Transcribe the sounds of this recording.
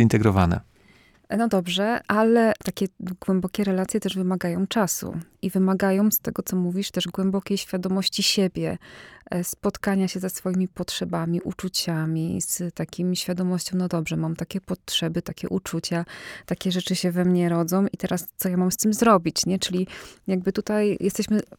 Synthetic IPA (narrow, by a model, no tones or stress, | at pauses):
int̪ɛɡɾɔva̰nɛ̰ | nɔd̪ɔbʐɛʔalɛt̪akʲɛɡwɛmbɔkʲɛɾɛlat̪sʲjɛt̪ɛʐvɘmaɡajɔ̃w̃t͡ʂasṵivɘmaɡajɔ̃w̃st̪ɛɡɔt̪sɔmuvʲiʂt̪ɛʐɡwɛmbɔkʲejɕfʲjad̪ɔmɔɕt͡ɕiɕɛbʲjɛ | spɔt̪kaɲaɕɛzɛsfɔjimʲipɔtʂɛbamʲiʔut͡ʂut͡ɕamʲist̪akʲimʲiɕfʲjad̪ɔmɔɕt͡ɕɔ̃w̃nɔd̪ɔbʐɛmamt̪akʲɛpɔtʂɛbɘt̪akʲɛ̰ʔut͡ʂut͡ɕat̪akʲɛʐɛt͡ʂɘɕɛvɛmɲɛɾɔd̪zɔ̃w̃it̪ɛɾast̪sɔjamamst̪ɘmzɾɔbʲit͡ɕɲɛt͡ʂɘlʲijaɡ̚bɘt̪ut̪ajjʔɛst̪ɛɕmɘ